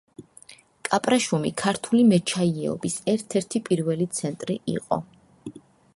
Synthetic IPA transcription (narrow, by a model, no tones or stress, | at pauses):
kʼapʼɾaʃumikʰaɾt̪ʰulimɛt͡ʃʰaiɛ̰ɔ̰bisɛɾt̪ʰɛɾt̪ʰipʼiɾvɛlit̪sʰɛnt̪ʼɾiʔḭqʼɔ̰